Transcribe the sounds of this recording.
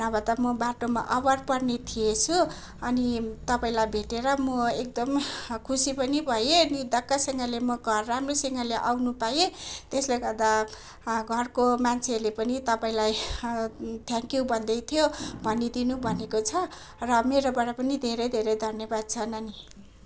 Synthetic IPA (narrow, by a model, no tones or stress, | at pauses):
nʌbʱʌt̪ʌmʌbaʈoma̰ʔʌbʌrpʌrnet̪ʰijet͡sʰu | ʌnit̪ʌpaĩlajbʱeʈeɾʌmʌek̚d̪ʌmkʰusipʌnibʱʌjenid̪ʌkːasʌŋɡʌlemʌɡʱʌrːamresʌŋɡʌleʔawnupajet̪esleɡʌrd̪a | ɡʱʌrkomant͡sʰelepʌnit̪ʌpaĩlaj | t̪ʰjãŋkjubʱʌnd̪ʌjt̪ʰijobʱʌnid̪inubʱʌnekot͡sʰʌ | rʌmeɾobʌɽapʌnid̪ʱeɾʌjd̪ʱeɾʌjd̪ʱʌnjʌbad̪̚t͡sʰʌnʌni